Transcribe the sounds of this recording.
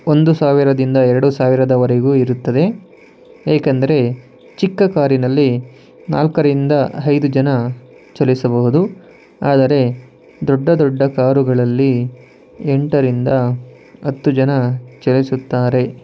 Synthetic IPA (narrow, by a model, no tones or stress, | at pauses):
o̞nd̪usaːʋiɾɐd̪ind̪ɐɛɾɐɽusaːʋiɾɐd̪ɐʋɐɾeɡuːiɾut̪ːɐd̪e̞ | eːkɐnd̪ɐɾe̞ | t͡ʃikːɐkaːɾinɐlːi | na̰ːlkɐɾind̪ɐɐjd̪ud͡ʒɐnɐ | t͡ʃɛlisɐbɐɦud̪u | aːd̪ɐɾe̞ | d̪ɔɖːɐd̪ɔɖːɐkaːɾuɡɐɭɐlːi | eɳʈɐɾind̪ɐ | ɐt̪ːud͡ʒɐnɐt͡ʃelisut̪ːaːɾe̞